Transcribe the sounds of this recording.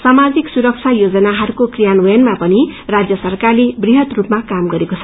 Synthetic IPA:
samad͡ziksuɾʌk̚t͡sʰajod͡zʌnaɦʌɾkokrijanojʌnmapʌnirad͡zjʌsʌrkarlebriɦʌt̪rupmakamɡʌɾekot͡sʰʌ

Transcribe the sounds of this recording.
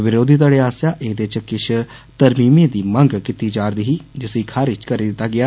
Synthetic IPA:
ʋɪɾoːd̪ʱiːd̪aːɽeːaːsjaːʔeːd̪et͡ʃkɪt͡ʃʰ | t̪əɾmiːmẽːd̪iːməŋɡkɪt̪iːd͡ʒaːɾd̪iɦiːd͡ʒɪsiːkʰaːɾɪt͡ʃkəɾiːd̪ɪt̪ːaːɡɪaː

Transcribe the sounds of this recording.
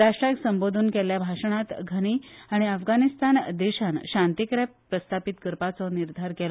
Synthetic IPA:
ɾaʂʈɾaksəmbod̪ʱuːnkɛljabʱaʂəɳ̃at̪ɡʱəɽ̃iːaɽ̃iəfɡanist̪and̪eɕanɕãnt̪ikɾapɾəst̪ʰapit̪kəɾpat͡sɔniɾd̪ʱaɾkɛl

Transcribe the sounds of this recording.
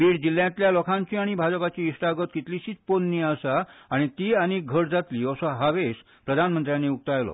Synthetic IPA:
biːɽd͡ʑilːjãt̪ljalɔkʰãɲt͡ɕiaɽ̃ibʱad͡zəpat͡ɕiːʂʈaɡət̪̚kit̪liɕiːt͡sponːiasaːɽ̃it̪iːanik̚ɡʱəɽd͡zat̪liːəsɔɦaʋes | pɾəd̪ʱanmənt̪ɾjaneuk̚t̪ajlɔ̰

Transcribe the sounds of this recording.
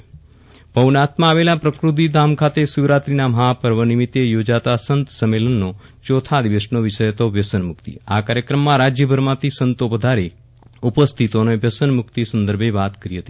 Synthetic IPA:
pəʋnat̪mãːʋelapɾəkɾut̪̬id̪ʱamkʰat̪esuʋɾat̪ɾinaməɦapəɾʋənimit̪ːejod͡ʒat̪asənt̪səmːelənːot͡ʃot̪ʰad̪iʋəʃnoʋɪʃəjt̪oʋjəsənmʊkt̪ḭakaɾjəkɾəmːãɾad͡ʒjəbʱəɾmãt̪ʰisənt̪oʋəd̪ʱaɾe | upəst̪ʰit̪onoeʋjəsənmʊkt̪isə̃nd̪əɾbʱeʋat̪kəɾiɦət̪i̥

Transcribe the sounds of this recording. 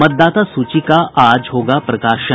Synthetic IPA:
mət̪̚d̪aːt̪asut͡ʃikaʔaːd͡ʒɦoːɡapɾɐkaːʃə

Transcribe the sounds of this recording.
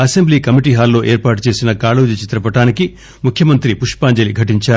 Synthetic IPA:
ɐsembliːkɐmiʈiːɦaːlːo̞ːʔe̞ːɾpaːʈut͡ʃe̞ːsinɐkaːluːd͡ʒɐt͡ʃit̪ɾɐpɐʈaːniki | mukʰjɐmɐnt̪ɾipuʂpaːɲd͡ʒɐliɡʱɐʈiɲt͡ʃaːɾu

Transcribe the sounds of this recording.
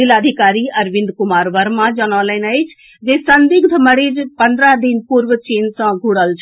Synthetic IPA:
ilaːd̪ʱikaːɾiɐɾʋĩnd̪kumaːɾʋəɾmãd͡ʒənɔlənəjt͡ʃʰ | d͡ʒesənd̪iɡd̪ʱɐməɽid͡ʒpənd̪ɾad̪inpuɾʋət͡ʃeːnsə̃ɡʱuɽəlt͡ʃʰ

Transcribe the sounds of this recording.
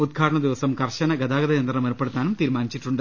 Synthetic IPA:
ud̪̚ɡʰʱaːʈɐɳɐd̪iʋɐsɐmkɐrɕɐnɐɡɐd̪aːɡɐd̪ɐjɐnd̪ɐnɐmerpːeɽut̪ːaːnumt̪iːɾmaːnit͡ɕːiʈːuɳɖɨ

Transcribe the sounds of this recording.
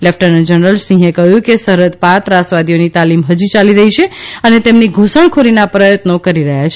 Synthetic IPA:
lepʰʈəɾnd͡ʒənɾəlsĩɦekəɦjũkesəɦɾət̪paɾt̪ɾasʋad̪ionit̪alimɦəd͡ʒit͡ʃaliɾəɦit͡ʃʰeənet̪emniɡʱosəɳkʰolinapɾəjət̪nokəɾiɾəɦjat͡ʃʰ

